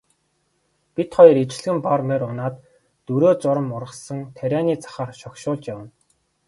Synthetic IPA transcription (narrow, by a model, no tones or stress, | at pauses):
pʲit̪χɔj̆rit͡ɕɪ̆ɮɣɘ̆mparmeɾʊnaːt̪ː | ɵɾoːt͡sʊɾə̆mʊrʁə̆sə̆ŋt̪ʰæɾʲaːniːt͡sʰḁχaːrʃɔkʃʊːɮt͡ɕjawə̆n